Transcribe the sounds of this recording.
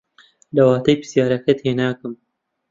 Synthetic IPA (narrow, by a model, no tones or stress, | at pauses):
lɐwaːt̪ɐjpɨ̥sjaːɾɐkɐt̪ʰeːnaːkɨm